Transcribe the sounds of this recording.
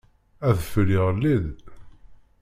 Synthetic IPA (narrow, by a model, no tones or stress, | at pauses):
æθəfɾiʁlːið